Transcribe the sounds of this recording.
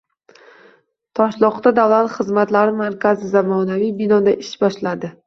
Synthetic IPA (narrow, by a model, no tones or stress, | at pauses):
t̪ʰɒʃlˠɒqt̪ad̪avlat̪χɨzmat̪laɾɪmaɾkʲʰazɪzamɒnavijbɪnɒd̪aʔɪʃbɒʃlad̪ɪ